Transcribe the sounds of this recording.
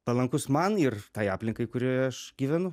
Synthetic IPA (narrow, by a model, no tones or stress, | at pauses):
pɐlˠɐŋkʊsmɐnɪrt̪ɐɪjɑːpʲlʲɪŋkɐɪkʊɾʲiɛɐʃɡʲiːʋʲɛnʊ